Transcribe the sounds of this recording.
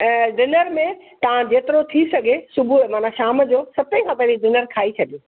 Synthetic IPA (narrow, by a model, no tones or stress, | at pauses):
ɛ̃ːɖɪnəɾmẽt̪ɐʋ̤ãd͡ʑeːt̪ɪɾot̪ʰisɐɡʱesʊbʱuɛ̃maːnaʃaːmd͡ʑoːsɐpẽkʰãːpɐ̃ɦd͡ʑiɖɪnəɾkʰaːit͡ɕʰɐɗijiː